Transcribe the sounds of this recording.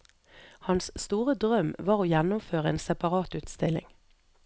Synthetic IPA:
hɑnsst̪uːʁəd̪ʁœmʋɑːʁoːjænʊmføːʁəeːnsɛpɑʁɑːt̪ʉːt̪st̪ɪlɪ̰ŋ

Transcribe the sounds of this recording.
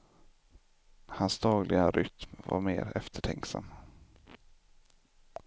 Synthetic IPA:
hansd̪ɑːɡlʔɪɡaɾʔʏt̪mva̰ɾmeːɾɛft̪ʰəʈʰɛŋksa̰mː

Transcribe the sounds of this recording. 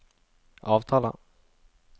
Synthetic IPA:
ɑːvt̪ʰɑːla̰

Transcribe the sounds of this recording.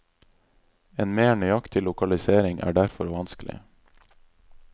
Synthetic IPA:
eːnmeːɳʏjɑkt̪ʰɪlʊkɑlɪseːɾɪŋʔæ̰ːɖæɾfɔɾʋɑnsklɪ̰

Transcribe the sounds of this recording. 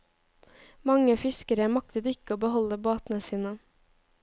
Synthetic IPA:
mɑŋəfɪskəɾəmɑk̚t̪ət̪ɪkəoːbəhɔləboːt̪n̩əsiːnə

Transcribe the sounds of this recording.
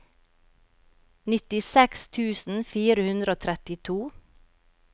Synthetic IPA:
nɪt̪ɪsɛkst̪ʰʉːsn̩fiːɾəhʉnd̪ɾəoːt̪ʰɾɛt̪ɪt̪ʰuː

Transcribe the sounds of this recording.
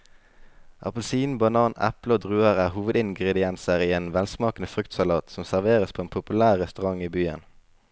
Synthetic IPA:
ʔɑ̰pəlsiːnbɑnɑːnæ̰pləoːd̪ʁʉːəʁæːʁhuːʋəd̪ɪŋɡʁɛd̪ɪɛnsəʁiːeːnʋɛlsmɑːkən̩əfʁʉkt̪sɑlɑːt̪sɔmsæʁʋeːʁəspʰoːeːnpʰʊpʉlæːʁʁɛst̪ʉʁɑŋiːbyːə̰n

